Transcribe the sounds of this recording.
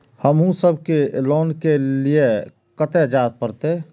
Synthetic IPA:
həmɦũsəbʱkelɔːnkelie | kət̪ed͡ʒaːt̪̚pəɾt̪e

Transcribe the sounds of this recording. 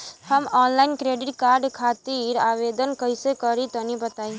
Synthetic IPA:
həmɔnlainkɾeɖɪʈkaɾɖkʰat̪iɾaʋed̪ənkəjsekəɾit̪ɔnibət̪ai

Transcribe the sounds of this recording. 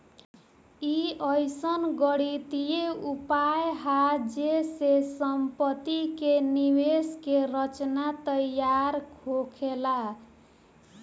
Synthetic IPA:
iʌjsʌnɡʌɽit̪ijeupajɦad͡zesesʌmpʌt̪ikeniweskeɾʌt͡snat̪ʌjaɾkʰokʰela

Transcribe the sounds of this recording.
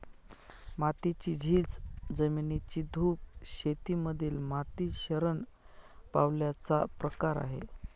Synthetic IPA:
mat̪it͡ɕiːd͡ʑʱiːd͡zd͡zəminit͡ɕiːd̪ʱuːp̚ɕet̪iːməd̪ʱiːlmat̪iːɕəɾən | pawljat͡sapɾəkaɾa̰ɦḛ

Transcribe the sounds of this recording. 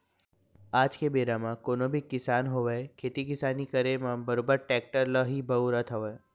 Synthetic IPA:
aːd͡ʒkebeːɖamãkoːnõbʱikɪsaːnɦoʋekʰeːt̪ikɪsaːnikəɾemãbəɾoːbəɾ̚ʈɛːk̚ʈəɾləɦibʱɐuɾət̪ʰɦoʋ

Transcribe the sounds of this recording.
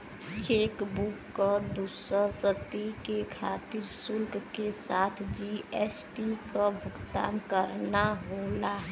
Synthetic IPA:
t͡ʃeːkbukːəd̪uːsəɾpɾət̪ikekʰaːt̪iɾsʊlkkesaːt̪ʰd͡ʒiesʈikabʱʊɡt̪a̰ːnkəɾnaɦolaɦ

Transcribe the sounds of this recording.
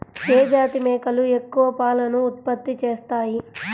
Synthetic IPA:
keːd͡ʒaːt̪imɛːkɐlue̞kːuʋɐpaːlɐnuːt̪̚pɐt̪ːit͡ʃeːst̪aːji

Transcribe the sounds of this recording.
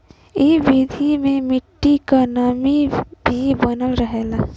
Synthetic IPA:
ibid̪ʱimẽmɪʈːikanamibʱibənəlɾəɦeːla

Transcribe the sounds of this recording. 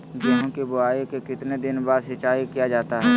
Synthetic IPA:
ɡeɦõkibʊaːikekɪt̪ned̪ɪnbaːd̪sɪt͡ʃaːikijad͡ʒaːt̪aɦɛː

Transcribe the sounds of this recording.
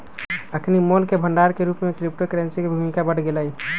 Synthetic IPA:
əkʰnimolkebʱəɳɖaɾkeɾupmekɾip̚ʈokɾensikebʱumikabəɽ̤ɡeləj

